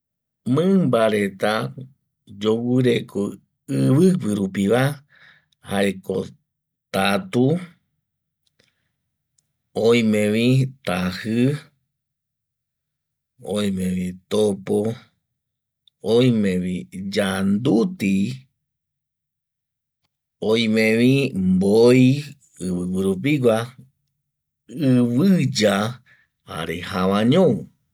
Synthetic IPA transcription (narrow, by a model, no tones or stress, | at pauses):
mɨ̃mbaɾe̞t̪a | d͡ʒowɨɾekʰo | ɨβɨpɨɾupiʋa | haeko̰ | t̪at̪u | oj̃mẽʋĩt̪ahɨ | õj̃mẽʋĩt̪opo | ojmẽʋĩd͡ʒand̪ut̪i | oj̃mẽʋĩmboi | ɨβɨwɨɾup̬iɡʷa | ɨβɨd͡ʒa | a̰ɾehaʋãɲõu